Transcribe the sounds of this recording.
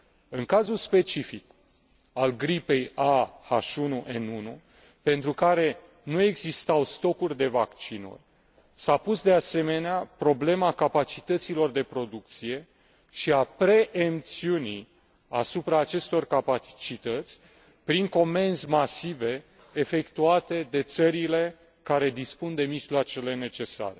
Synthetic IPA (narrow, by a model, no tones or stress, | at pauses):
ɨŋkazulspe̞t͡ʃifik | alɡɾipe̞jaha̰ʃunuʔenunṵ | pe̞nt̪ɾukaɾe̞ | nue̞ɡzist̪awst̪o̞kurʲd̪e̞vakt͡ʃinṵrʲ | sapusd̪e̞ase̞me̞neapɾo̞ble̞makapat͡ʃit̪ət̪silo̞rd̪e̞pɾo̞d̪uk̚t̪sije̞ | ʃiapɾe̞ʔːmt̪siunḭ | asupɾaːt͡ʃe̞st̪o̞rkapat͡ʃit̪ət̪sʲ | pɾiŋko̞me̞nzmasive̞ː | fe̞kt̪uat̪e̞d̪e̞t̪səɾile̞ | kaɾe̞d̪ispund̪e̞miʒloat͡ʃe̞le̞ne̞t͡ʃe̞sa̰ɾe̞